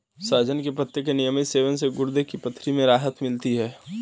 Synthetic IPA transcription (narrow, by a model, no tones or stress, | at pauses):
saːd͡ʒənkepɐt̪ːjək̬enijəmɪt̪seːʋənseɡʊɾd̪ekipɐt̪ʰːɾimẽɾaːɦət̪mɪlt̪iɦɛː